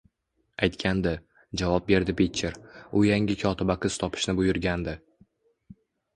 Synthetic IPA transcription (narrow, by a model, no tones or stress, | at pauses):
ajt̪kʲʰand̪ɪ | d͡ʒavɒp̚be̞ɾd̪ɪpʰit̪t͡ʃʰːeɾʊjaŋʲɪkʲʰɒt̪ʰɪbaqʰɨz̥t̪ʰɒpʰɪ̥ʃnɪbʊjʊɾɡʲand̪ɪ